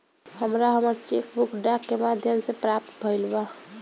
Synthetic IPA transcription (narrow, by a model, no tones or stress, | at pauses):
həmɾaɦəmaɾt͡ʃekbʊkɖakːemaːd̪ʱjəmsepɾaːp̚t̪bʱəɪlba